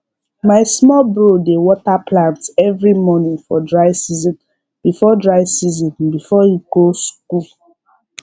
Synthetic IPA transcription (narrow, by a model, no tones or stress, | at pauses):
maɪsmɔlbɹodewɔtaplãntɛvɹimɔnĩŋfɔdɹaɪsizɔ̃n | b̥ifɔdɹaɪsizɔ̃nbifɔiɡosku